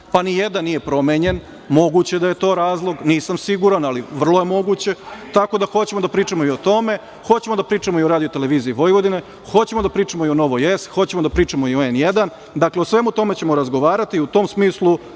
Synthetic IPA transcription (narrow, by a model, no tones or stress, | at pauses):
panijed̪anːije̞pɾo̞meɲe̞n | mo̞ɡut͡ɕe̞d̪aje̞t̪o̞ːɾaːzlˠo̞ɡniːsamsiɡuɾanaliʋr̩lˠoje̞mo̞ɡut͡ɕe̞t̪ako̞d̪axo̞t͡ɕe̞mod̪apɾiːt͡ʂamoio̞t̪o̞me̞ | xo̞t͡ɕemo̞d̪apɾiːt͡ʂamo̞io̞ɾaːd̪ijot̪e̞le̞ʋiːziːʋo̞jʋo̞d̪ine̞ | xo̞t͡ɕe̞mod̪apɾiːt͡ʂamoiono̞ʋojest̪xo̞t͡ɕemod̪apɾiːt͡ʂamo̞ioenjed̪an | d̪akleosʋe̞mut̪o̞me̞t͡ɕe̞mo̞ɾazɡoʋaːɾat̪iut̪o̞ːmsmiːslˠu